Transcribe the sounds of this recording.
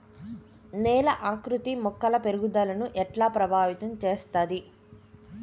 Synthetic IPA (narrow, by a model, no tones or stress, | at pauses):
nɛːlɐʔaːkɾut̪imɔkːɐlɐpeɾuɡud̪aːlɐnuʔɛʈlaːpɾɐbʱaːʋit̪ɐmt͡ʃe̞ːst̪aːd̪i